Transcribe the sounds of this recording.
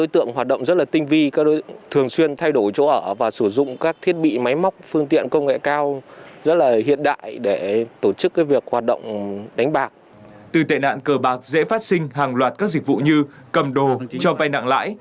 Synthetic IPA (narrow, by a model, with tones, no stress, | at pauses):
ɗo˨˦jt̪ɨ̰˧˨əŋɦwaː˨˩t̚ɗə̰˧˨wŋ͡mzə˦˥t̚laː˨˩t̪ï˧ŋ̟vi˧kaː˦˥k̚ɗo˨˦t̪ʰɨ˨˩əŋswi˧ənt̪ʰa˧jɗo˧˩jt͡ɕo̰˧˥ʔəː˧˩vaː˨˩sɨ˧˩zʊ̰˧˨ŋ͡mkaː˦˥k̚t̪ʰi˦˥ət̚ɓḭ˧˨ma˨˦jma˦˥wk͡p̚fɨ˧əŋt̪ḭ˧˨ənkə˧wŋ͡mŋḛ˧˨kaː˧wzə˦˥t̚laː˨˩hḭ˧˨ənɗa̰ː˧˨jɗe˧˩t̪o˧˩t͡ɕɨ˦˥kːaː˨˦jvi˨˩ək̚haː˨˩t̚ɗə̰˧˨wŋ͡mɗa˨˦jŋ̟ɓaː˨˩k̚ | t̪ɨ˨˩t̪ḛ˧˨na̰ː˧˨nkəː˧˩ɓaː˨˩k̚zḛ˧˥faː˦˥t̚sï˧ŋ̟ɦaː˨˩ŋlwaː˨˩t̚kaː˦˥k̚zi˨˩k̚vṵ˧˨ɲɨ˧ | kə˨˩mɗo˨˩t͡ɕɔ˧va˧jna̰ː˧˨ŋla̰ː˧˥j